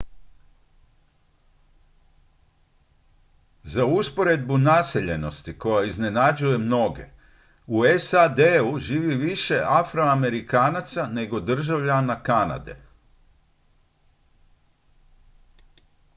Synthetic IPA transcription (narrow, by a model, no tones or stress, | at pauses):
zauspo̞ɾe̞d̪̚bunase̞ʎe̞no̞st̪iko̞jaizne̞nad͡ʑuje̞mno̞ɡe̞̰ | uesad̪euʒiːʋiʋiʃe̞ʔafɾo̞ame̞ɾikaːnat̪sane̞ɡo̞d̪r̩ʒaʋʎanakana̰d̪e̞̰